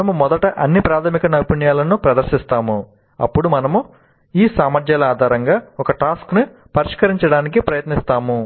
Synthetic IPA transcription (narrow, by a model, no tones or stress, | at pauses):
ɐmumɔd̪ɐʈɐʔɐnːipɾaːt̪ʰɐmikɐnɐwpiɳjaːlɐnupɾɐd̪ɐɾʃist̪aːmu | ɐ̰pːuɽumɐnɐmu | iːsaːmɐɾd̪jaːlɐaːd̪ʱaːɾɐŋɡaːɔkɐʈaːskni | pɐɾiʂkɐɾiɲt͡ʃɐɽaːnikipɾɐjɐt̪nist̪aːmu